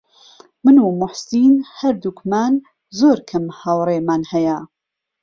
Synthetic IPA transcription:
mɨnuːmʊħsiːnhɐɾd̪ukmaːn | zoːɾkʰɐmhɐwreːmaːnhɐjɐ

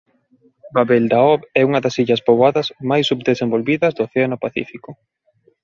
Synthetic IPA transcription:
baβeld̪aɔβɛuŋɐðɐsiʎɐspoβaðɐzmajsːubd̪esembolβiðɐzðoːθeanʊpaθḭfikʊ

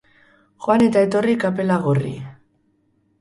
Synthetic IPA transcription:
xoane̞t̪ae̞t̪o̞rikape̞laɣorḭ

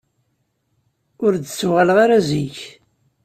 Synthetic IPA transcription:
ʊɾd̪t͡sːuʁaləʁaɾaziç

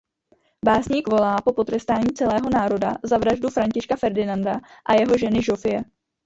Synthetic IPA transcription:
baːsɲiːkvo̞laːpo̞po̞t̪rɛst̪aːɲiːt͡sɛlɛːɦo̞naːɾo̞dazavɾaʒdufɾaɲcɪʃkafɛɾdɪnandaʔajɛɦo̞ʒɛnɪʒo̞fɪjɛ

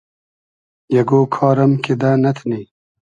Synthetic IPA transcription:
jɐɡoːkʰɑːɾɐmked̪anɐt̪ʰniː

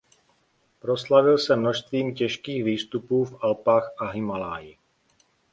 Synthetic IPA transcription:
pɾo̞slavɪlsɛmno̞ʃst̪viːmcɛʃkiːxviːst̪upuːfʔalpaːxʔaɦɪmalaːjɪ

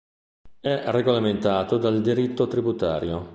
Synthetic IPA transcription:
ɛreɡolament̪aːt̪od̪ald̪iɾit̪ːot̪ɾibut̪a̰ːɾjo

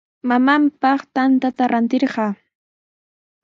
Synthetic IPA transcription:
mamampɑχt̪ant̪at̪aɾʔant̪ɪɾɢɑ

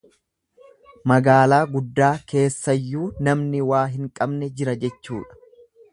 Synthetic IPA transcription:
mɐɡaːlaːɡʊd̪ːaːkʰe̞ːsːɐjːuːnɐmnɪwaːɦɪŋkʼɐbnɛd͡ʒɪɾɐd͡ʒɛt͡ʃːuːᶑɐ̥

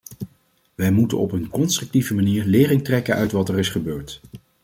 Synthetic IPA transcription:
ʋɛjmutə̰nɔpənkɔnstrɵk̚tivəmaniːɹlɪːrɪŋtrɛkənœɥtʋɑtɛrɪsχəbøːɹt

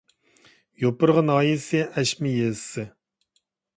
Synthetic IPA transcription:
jopɨɾʁənɑːjisɪɛʃmɪjesɨ

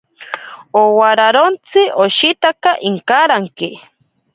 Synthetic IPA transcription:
owaɾaɾont͡sɨʔoʃit̪akaʔiŋkaɾaŋki

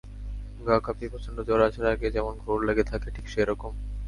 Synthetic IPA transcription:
ɡakʰapipɔt͡ɕʰond̪od͡ʑɔɾat͡ɕʰeɾaɡed͡ʑɛmonɡʱoɾleɡet̪ʰakeʈʰikʃeɾɔkom

